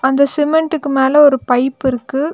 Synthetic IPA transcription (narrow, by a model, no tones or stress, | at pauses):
ɐnd̪ɐsɪmɛɳʈɯkːɯmeːlɐɔɾɯpɐɪpːɪɾɯkːɯ